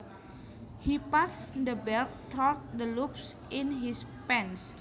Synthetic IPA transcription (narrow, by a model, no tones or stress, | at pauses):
hipasd̪əbɛlt̪ʰɔt̚d̪əlupsinɦispɛ̃ns